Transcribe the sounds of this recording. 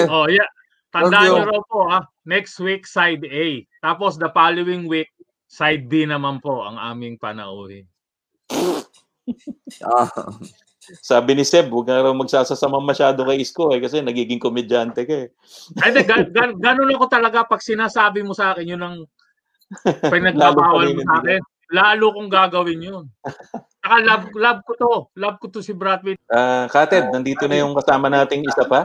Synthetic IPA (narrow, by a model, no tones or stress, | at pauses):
ʔoja | t̪ɐd̪aːʔɲɐɾɐwpo̞ha | nɛkst̪wik̚sajd̪ɛjt̪aːpo̞sd̪ɐpaːlowɪŋwik̚ | sajd̪̚binɐmanpo̞ʔɐ̰ŋʔa̰ːmɪŋpɐnɐ̰ʔoːhɪ̰n | saːbɪnɪsɛb̚wɐɡ̚ŋaɾɐwmɐɡ̚saːsɐsɐmaŋmɐʃaːd̪okɐjɪskoɛkɐsɛnɐɡiːɡɪŋkomɛdant̪ɛkoɛ | ɛd̪ɛɡɐɡɐɡɐno̞nɐko̞t̪ɐlɐɡapɐɡ̚sɪnaːsaːbɪmosɐʔaːkɪnjʊnɐŋ | pɐɡnɐɡ̚aːlbaːwɐlmosɐʔaːkɛn | laːlʊkoŋɡaːɡɐwɪnjont͡ʃɐkalɐb̚lab̚kot̪o̞lab̚kot̪osɪbɾat̪̚wɪʔaːkaːt̪ɛd̪̚nɐnd̪iːt̪onɐjʊŋkɐsaːmɐnaːt̪ɪŋɪsapa